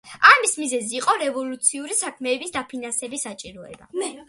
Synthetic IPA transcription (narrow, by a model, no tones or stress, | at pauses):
amismizɛziːqʼɔɾɛvɔlˠut̪sʰiuɾisakʰmɛːbisd̪apʰinansɛbisat͡ʃʼiɾɔɛ̰ba̰